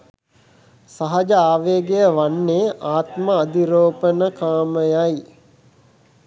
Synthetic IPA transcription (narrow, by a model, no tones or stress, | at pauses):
saɦad͡ʒaaːʋeːɡejəʋanːeʔaːt̪maːd̪iɾoːpənəkaːməjaj